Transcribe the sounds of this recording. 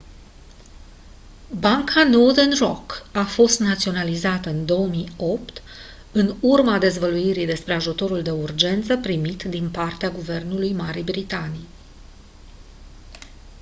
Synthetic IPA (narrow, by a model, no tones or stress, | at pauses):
baŋkʰanod̪enrokafo̞st̪nat̪sio̞nalizat̪əɨnd̪o̞əmio̞pt̪ | ɨnurmad̪e̞zvəluiɾid̪e̞spɾe̞aʒut̪o̞ɾuld̪e̞urd͡ʒe̞nt̪səpɾimit̪d̪inpart̪eaɡuve̞rnulujmaɾibɾit̪anij